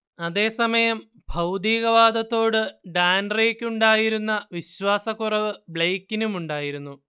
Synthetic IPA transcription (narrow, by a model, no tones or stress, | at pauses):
ɐðe̞ːsɐmɐjɐm | bʱɐwd̪iːɣɐʋaːd̪ɐt̪ːo̞ːɽɨɖaːnrejkʲːuɳɖaːjiɾunːɐʋiɕwaːsɐkːurɐʋɨbɭejkːinumuɳɖaːjiɾunːu